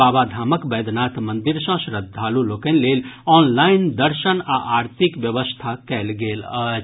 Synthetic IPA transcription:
aːbad̪ʱaːməkbɛːd̪naːt̪mə̃nd̪iɾsə̃ʃɾəd̪ʱːaːlulokənleːlɔːnlaɪnd̪əɾʃənaʔaːɾt̪ʰikʋjəʋəst̪ʰakɛlɡeːlə

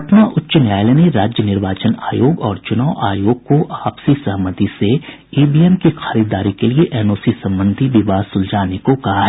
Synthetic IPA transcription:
t̪naʔʊtːʃənjaːjleneɾaːd͡ʒjənɪɾʋaːt͡ʃəna̰ːjoːɡɔːɾt͡ʃʊnaːʊʔaːjoːɡ̚koʔaːpsisɐɦmət̪ise | iːbiːemkixʰaːɾiːd̪aːɾikelieʔɛːnoːsisɐ̃mbə̃nd̪ʱiʋɪʋaːsʊld͡ʒaːnekokɐɦaɦɛː

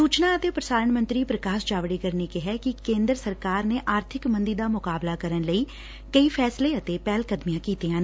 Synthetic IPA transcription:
suːt͡ʃnaːət̪eːpɾəsaːɾəɳmə̃nt̪ɾiːpɾəkaːʃd͡ʒaːʋɽiːkəɾniːkɪɦɛːkɪkẽːnd̪ɾsəɾkaːɾneːʔaːɾt̪ʰɪkmə̃nd̪iːd̪aːmʊkaːblaːkəɾənləiː | kəiːpʰɛːsleːət̪eːpɛːlkəd̪mijãːkiːt̪iːãːnː

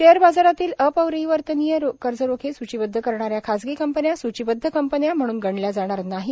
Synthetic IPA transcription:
ʃeəɾbad͡zaɾat̪iːləpəʋɾəiʋəɾt̪ənijəɾokəɾd͡zəɾokʰesut͡ɕibəd̪ʱːəkəɾɳaɾjakʰad͡zɡiːkəmpənjasut͡ɕibəd̪ʱːəkəmpənjam̤əɽ̃uːnɡəɳljad͡zaɽ̃aɾnaɦi

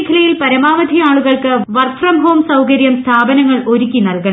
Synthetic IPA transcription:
kʰːɐlɐjilpɐɾɐmaːʋɐd̪ʱiaːɭuɣɐɭkɨʋɐrt̪rɐmɦo̞ːmsɐwkɐɾjɐmst̪ʰaːbɐnɐŋːɐɭʔo̞ɾukʲːinɐlkɐ

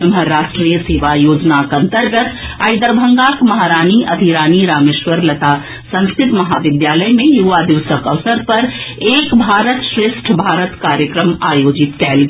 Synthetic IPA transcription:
mɦəɾaʃʈɾijəseːʋajoːd͡ʒnakə̃nt̪əɾɡət̪ajd̪əɾbʱəŋɡakmɐɦaɾaːniʔɐd̪ʱiɾaːniɾaːmeːʃʋəɾlət̪a | sə̃nskʰɾɪt̪mɐɦaʋɪd̪jaləjmẽjuʋad̪iʋsəkəʋsəɾpəɾeːkbʱaːɾət̪ʃɾɪʃʈʰbʱaːɾət̪kaɾjəkɾəmajoːd͡ʒit̪kɛːlɡ

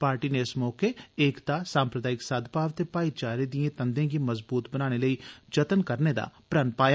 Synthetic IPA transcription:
paːɾʈiːneɪsmɔːkeeːkd̪aːsãːmpɾəd̪aːɪksad̪paːʋt̪eːpaːit͡ʃaːɾed̪ijẽːt̪ənd̪ẽːɡiməzbuːt̪bənaːɽ̃eləiːd͡ʒət̪ənkəɾned̪a̰ːpɾənpaːj

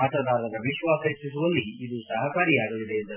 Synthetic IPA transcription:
mɐt̪ɐd̪aːɾɐnɐʋiʃʋaːsɐisisuʋɐlːiːd̪uːsɐɦɐkaːɾijaːɡɐʋid̪eːnt̪ɐ

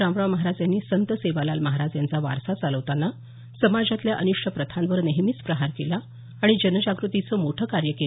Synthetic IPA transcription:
ɾãmɾaʋməɦaɾad͡zjanːiːsənt̪əseʋalalməɦaɾad͡zjant͡saʋa̰ɾsat͡saləʋt̪anːa | səmad͡zat̪ljaʔəniʂʈʰəpɾət̪ʰanʋəɾneɦmiːt͡spɾəɦaɾkela | aɽ̃id͡ʑənəd͡ʑaɡɾut̪it͡səːmoʈʰəːkaɾjəke

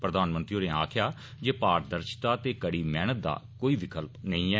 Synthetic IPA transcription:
pɾəd̪aːnmənt̪ɾioːnẽːaːkʰɪjaː | d͡ʒeːpaːɾd̪əɾʃt̪aːt̪eːkəɽiːmɛːnət̪̚d̪a̰ːkoːiːʋɪkəlpnəĩːɛː

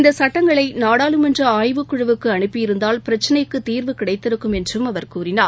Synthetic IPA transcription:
ɪnd̪ɐsɐʈːɐŋɡɐɭɐɪnaːɽaːlɯmɛndrɐaːjʋɯkːʊɻɐʋɯkːɯɐnɯpːɪjɪɾɯnd̪aːlpɪɾɐt͡ʃːɐnɐɪkːɯt̪ːiːɾʋɯkɪɽɐɪt̪ːɪɾɯkːɯmɛndrɯmɐʋɐɾkuːɾɪnaːɾ

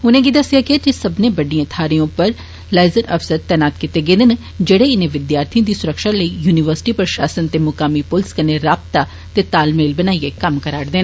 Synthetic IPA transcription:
ʊnẽːɡid̪ɐsɪjakɪaːkisɐbnẽbɐɖijãt̪ʰaːɾijõpəɾ | laːɪzəɾɐfsəɾt̪ɛːnaːt̪kɪt̪eɡeːd̪ɪn | d͡ʒeːɽeɪnẽʋɪd̪jaːɾt̪ʰijõd̪isʊɾəkʃaːləijuːnɪʋəɾsɪ̥ʈipɾʃaːsənt̪emʊkaːmipʊlskəneɾaːb̚t̪a | t̪et̪aːlmeːlbɐnaːijekɐmkəɾaːɽd̪eːn

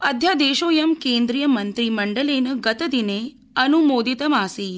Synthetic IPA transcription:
ɐd̪ʱjad̪eːɕoːjɐmkeːnd̪ɾijɐmɐnt̪ɾiːmɐɳɖəleːnɐɡɐt̪əd̪ine | ɐnumoːd̪it̪ɐmaːsiː

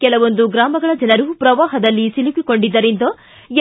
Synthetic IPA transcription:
kɛlɐʋo̞nd̪uɡɾaːmɐɡɐɭɐd͡ʒɐnɐɾuupɾɐʋaːɦɐd̪ɐlːisilukiko̞ɳɖid̪ːɐɾend̪oː

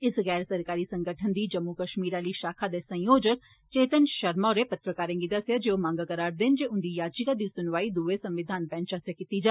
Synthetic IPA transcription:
ɪsɣɛːɾsəɾkaːɾiːsə̃ŋɡəʈʰənd̪iːd͡ʒəmːukəʃmiːɾaːliːʃaːkʰaːd̪eːsə̃jjoːd͡ʒək | t͡ʃeːt̪ənʃəɾmaːɾeːpət̪ɾəkaːɾẽːŋɡiːt̪asjaːd͡ʒeːomãːŋɡakəɾaːɾd̪end͡ʒeːʊnd̪iːjaːd͡ʒikaːd̪iːsʊnʋaːiːd̪uʋesəmʋɪd̪ʱaːnpɛ̃ːnt͡ʃaːseːkɪt̪iːd͡ʒaː

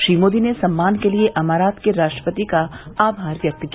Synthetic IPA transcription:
ʃɾiːmoːd̪inesɐmːaːnkelieʔɐmaːɾaːt̪keɾaːʃʈɾəpət̪ikaaːbʱaːɾʋjɐk̚t̪k

